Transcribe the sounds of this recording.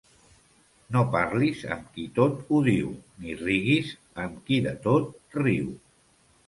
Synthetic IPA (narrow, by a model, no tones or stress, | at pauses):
nopaɾlizə̰mkit̪ot̪uðiwniriɣiz | əmkiðət̪ot̪̚riw